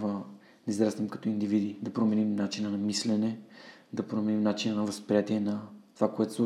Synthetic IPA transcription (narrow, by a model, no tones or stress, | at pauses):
və | d̪ɐizɾasnɛmkɐ̥t̪ɔind̪ivid̪id̪ɐpɾomɛnimnat͡ʃinənɐmislɛnɛd̪ɐpɾomɛnimnat͡ʃinənɐvəspɾijat̪iɛnɐt̪ovakoɛt̪ʊ̥sˠu